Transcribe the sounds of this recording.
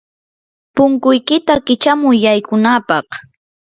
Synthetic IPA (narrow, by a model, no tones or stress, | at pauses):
pʊŋkʊjkɪt̪akɪt͡ʃamʊjːajkʊnapɑχ